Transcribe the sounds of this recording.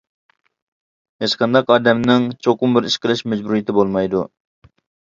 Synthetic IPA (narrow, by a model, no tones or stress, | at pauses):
het͡ʃqʰɑnd̪ɑqɑːd̪ɛmnɪŋt͡ʃʰoqʊmbɪɾiʃkʲɪlˠɪʃmɛd͡ʒbuɾijɪt̪ɪbolˠmɑjd̪u